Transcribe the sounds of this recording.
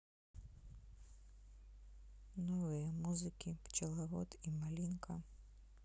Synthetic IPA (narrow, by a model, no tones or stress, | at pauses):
nɔvɨjɐmuzɨkʲipt͡ʃɐlˠavɔt̪imalʲinkʰɐ